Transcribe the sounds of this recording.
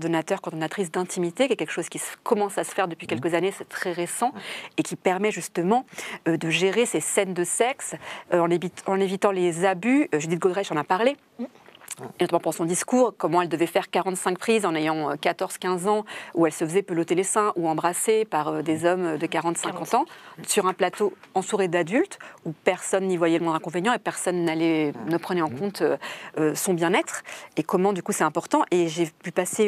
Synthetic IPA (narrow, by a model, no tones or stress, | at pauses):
ɔʁd̪ɔnat̪œʁkɔʁd̪ɔnat̪χis̬d̪ɛ̃t̪ʰimit̪ekʲɛkʲɛlkʃoz̥kʲiskɔmɑ̃sasə̥fɛʁd̪əpɥikʲɛlkəzanesɛ̥t̪χɛʁesɑ̃ekʲipɛʁmɛʒyst̪əmɑ̃ød̪əʒeʁesesɛnd̪əsɛksøɑ̃neviɑ̃nevit̪ɑ̃lezabyøʒyd̪it̪̚ɡod̪ʁɛʃɑ̃napaʁle | not̪amɑ̃psɔ̃d̪iskuːʁkɔmɑ̃ɛld̪əvɛfɛʁkaʁɑ̃t̪sɛ̃k̚pχizɑ̃nejɑ̃økat̪ɔʁz̥kʲɛ̃zɑ̃uɛlsəfəzɛpølot̪elesɛ̃ʔuɑ̃bʁasepaʁød̪ezɔmød̪əkaʁɑ̃t̪sɛ̃kɑ̃t̪ɑ̃syʁɛ̃plat̪oɑ̃t̪uʁed̪ad̪ylt̪upɛʁsɔnːivwajɛləmɔ̃d̪ʁɛ̃kɔ̃venjɑ̃epɛʁsɔnːalɛnəpχənɛɑ̃kɔ̃t̪øøsɔ̃bjɛ̃nɛt̪χekɔmɑ̃d̪ykusɛt̪ɛ̃pɔʁt̪ɑ̃ʔeʒepypase